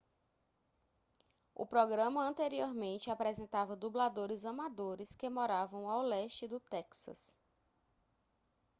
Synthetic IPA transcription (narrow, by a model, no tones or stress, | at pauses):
ʊ̰pɾɔɡɾɐ̃mɐɐ̃nt̪eɾioɾmẽnt͡ʃɪapɾɛzẽnt̪avɐd̪ublad̪oɾɪzɐmad̪oɾɪskɪmɔɾavɐ̃w̃awlɛʃt͡ʃɪd̪ʊt̪ɛksɐ̰s